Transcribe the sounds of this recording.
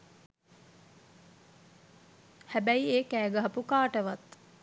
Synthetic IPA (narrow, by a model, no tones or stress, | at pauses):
hæbæjieːkæːɡəɦɐpukaːʈəʋat̪